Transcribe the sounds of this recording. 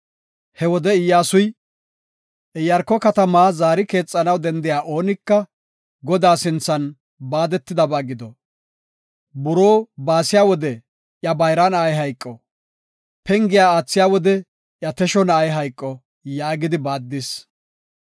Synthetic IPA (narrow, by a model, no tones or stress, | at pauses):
hɛwɔd̪ɛɪjːaːsʊj | ʔɛjɐɾkːɔkɐt̪ɐmaːzaːɾɪke̞ːt͡sʼːɐnɐwd̪ɛnd̪ɪjaːʔo̞ːnɪkːɐ | ɡɔd̪aːsɪnt͡sːɐn | baːd̪ɛt̪ːɪd̪ɐbaːɡɪd̪ɔ | bʊɾoːbaːsɪjaːwɔd̪ɛ | ʔjɐbɐjɾanaːjɦɐjkʼːɔ | pɛŋɡɪjaːaːt͡sːɪjaːwɔd̪ɛ | ʔjɐt̪ɛʃɔnaːjɦɐjkʼːɔ | jaːɡɪd̪ɪbaːd̪ːɪs